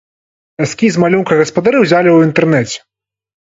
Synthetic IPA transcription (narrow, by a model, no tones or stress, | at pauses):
asʲkʲizmalʲunkɐɣɐspɐd̪aɾɨwzʲalʲɛwint̪ɛrnɛt͡sʲɛ̥